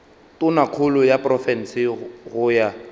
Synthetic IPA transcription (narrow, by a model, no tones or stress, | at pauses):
tʼʊnakʰʊlʊjapʼrɔfɛnsɪɣʊja